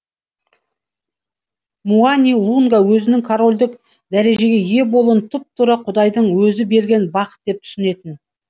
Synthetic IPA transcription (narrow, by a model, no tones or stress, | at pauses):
muanʲijlˠuŋɡawɵzɪnɪŋkʰaɾo̞lʲd̪ɪk | d̪æɾe̞ʒe̞ɡʲe̞je̞bo̞lˠuənt̪ʰʊp̚t̪ʊɾəqʰʊd̪ɑjd̪əɴwɵzɪbe̞ɾɡʲe̞nbɑqə̥t̪̚d̪e̞p̚t̪ʰʏ̥sɪne̞t̪ɪn